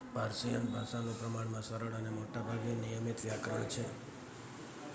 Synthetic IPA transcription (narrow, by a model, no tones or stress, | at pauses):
paɾsəjəmbʱaʃanõpɾəmaɽ̃mãsəɾəɽənemoʈabʱaɡenijəmit̪ʋjakɾəɳt͡ʃʰe